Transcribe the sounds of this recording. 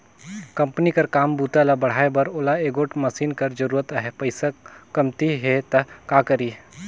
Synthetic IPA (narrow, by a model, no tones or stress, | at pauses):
kɐ̃mpnikɐɾkaːmbuːt̪alabɐɽ̤aːebɐɾoːlaeːɡoːʈmɐsiːnkɐɾd͡ʒɐɾuːɾət̪əɦɛpɐɪsakɐmt̪iɦet̪ɐkaːkɐɾiː